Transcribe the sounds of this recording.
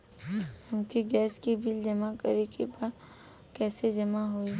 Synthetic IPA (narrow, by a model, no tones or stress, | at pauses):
kũːkiɡɛːskibʱɪld͡ʒɐmakɐ̰ɾekebad̪ | kɛːsed͡ʒɐmaɦoi